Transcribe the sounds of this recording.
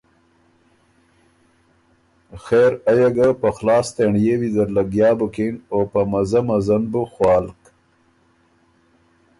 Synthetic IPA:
xeːɾajaɡapəxlɑːst̪eɳjewid̪əɾlaɡjɑːbukinopəmazamazanbuxwɑːlk

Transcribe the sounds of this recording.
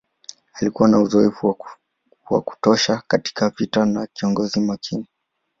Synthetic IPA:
alikuwanauzɔɛfu | wa̰ku̥tɔʃakati̥kavitanakiɔŋɡɔzimakʰini

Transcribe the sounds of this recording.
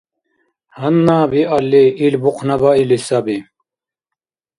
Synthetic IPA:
hɐnːaːbiɐlːeilbuqʰnɐbailisabi

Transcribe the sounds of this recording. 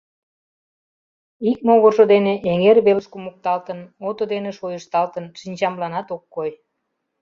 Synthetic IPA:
ik̚moɣoʃod̪eneʔeŋerβelʃkumuk̚t̪ɑlt̪ənot̪od̪eneʃojəʃt̪ɑlt̪ənʃinʲt͡ɕɑmlɑnɑt̪okːoj

